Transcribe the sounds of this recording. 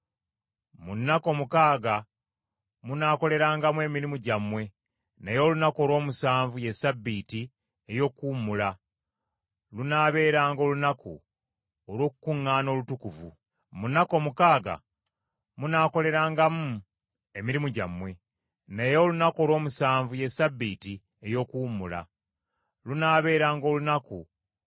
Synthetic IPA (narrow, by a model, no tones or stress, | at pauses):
munːako̞mukaːɡa | munaːko̞le̞ɾaːŋɡamue̞miɾimuɟamwe̞ | nejo̞ːlunako̞ːlwo̞ːmusaːɱvuje̞sabːiːti | ejo̞kːuːmula | lunaːβe̞ːɾaːŋɡo̞ːlunaku | olo̞ːkukuŋːaːno̞ːlutukuvṵ | munako̞ːmukaːɡa̰ | munaːko̞le̞ɾaːŋɡamu | e̞miɾimuɟamwe̞ | nejo̞ːlunako̞ːlwo̞ːmusaːɱvuje̞sabːiːti | ejo̞kuːmula̰ | lunaːβe̞ːɾaːŋɡo̞ːlunaku